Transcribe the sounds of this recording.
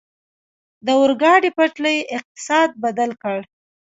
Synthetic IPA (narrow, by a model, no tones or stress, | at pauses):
d̪əʊɾɡɑɖipaʈləjʔɪq̚t̪ɪ̥sɑd̪̚bad̪alkəɽ